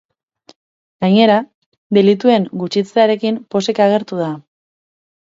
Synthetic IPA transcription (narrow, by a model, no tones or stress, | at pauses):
ɡ̥aɲe̞ɾa | d̪e̞lit̪ue̞ŋɡut͡ʃit͡seaɾe̞kimpo̞se̞kaɣ̞e̞ɾt̪uð̞a